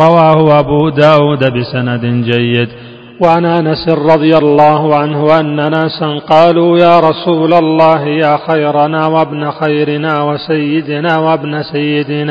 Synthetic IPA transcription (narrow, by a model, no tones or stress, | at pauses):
ɾˤɑwaːhʊʔabuːd̪aːwuːd̪abɪsanad̪d͡ʒajːɪd̪ | waʕanʔanasɪnɾˤɑd̪ˤɨjalˤːɑːhʊʕanhʊʔanːanasɪnqɑːluːjaːɾˤɑsuːlalːɑːhɪjaːxajɾanaːwabnaxajɾɪnaːwasajːɪd̪ɪnaːwabnasajːɪd̪ɪnaː